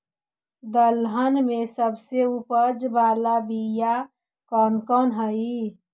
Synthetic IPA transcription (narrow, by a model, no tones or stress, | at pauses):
d̪əlɦənmẽsəbseupəd͡ʒbaːlabija | kɔːnkɔnɦəi